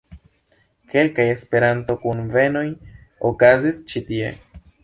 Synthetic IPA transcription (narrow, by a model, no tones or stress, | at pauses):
ke̞lkaje̞spe̞ɾanto̞kunve̞no̞j | okazist͡ʃitie̞̰